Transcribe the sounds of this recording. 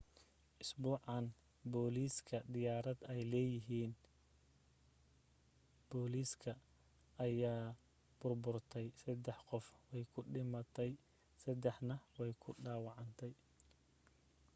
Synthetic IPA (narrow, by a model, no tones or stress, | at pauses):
ʔɪsbuːʕɑn | bɔːliːskʰɐd̪ɪjaːɾɐd̪ɛjlɛːjɪɦiːn | b̥ɔːliːskʰɐː | jaː | b̥ʊrbʊrt̪ʰɛjsɐd̪ɛħqɔfwɛjkʰʊɖɪmɐt̪ʰɛj | sɐd̪ɛħnɐwɛjkʰʊɖaːwɑʕɑnt̪ʰɛj